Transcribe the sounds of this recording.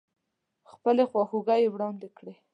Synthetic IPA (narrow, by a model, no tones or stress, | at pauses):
xpəlexwɑxuɡajewɽɑnd̪ekɽe